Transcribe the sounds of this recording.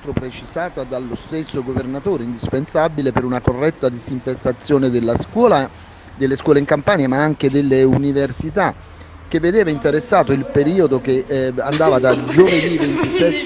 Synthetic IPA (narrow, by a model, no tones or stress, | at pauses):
t̪ɾopɾet͡ʃizaːt̪ad̪alːost̪esːoɡovernat̪oːɾeind̪ispensabilepeɾunakorːɛt̪ːad̪iziɱfest̪at̪sːjoːned̪elːaskːla | d̪elːeskwɔːleiŋkampaːnjamaaŋk̟ed̪elːeuniversit̪a | k̟ːevːed̪eːvaint̪eɾesːaːt̪oilpeɾiːod̪okeand̪aːvad̪ad͡ʒoved̪ivent̪isɛt̪ː